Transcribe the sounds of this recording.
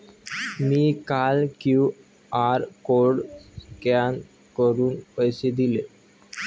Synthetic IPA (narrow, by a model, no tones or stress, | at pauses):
mikalku | aɾkoɖskan | kɔɾunɔjsed̪ile